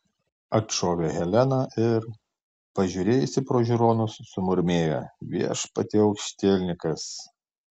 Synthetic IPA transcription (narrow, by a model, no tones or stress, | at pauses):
ɐtʃoːʋʲeɣʲɛlʲɛnɐʔɪɾ | pɐʒʲʊːɾʲeːjʊsʲɪpɾoːʒʲʊɾoːnʊsːʊmʊɾʲmʲeːjɛ̰ʋʲiɛʃpɐt̪ʲɪɒʊkʃʲt̪ʲeːlʲnʲɪkɐs